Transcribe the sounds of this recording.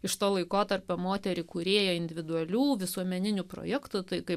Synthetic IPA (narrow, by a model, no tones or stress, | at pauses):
ɪʃt̪oːlˠɐɪkoːt̪ɐrʲpʲoːmoːt̪ʲɛɾʲɪkʊɾʲeːjoɪnʲd̪ʲɪʋʲɪd̪ʊɐlʲuːʋʲɪsuɔmʲɛnʲɪnʲʊpɾo̰jɛkt̪ʊt̪ɐɪkɐɪp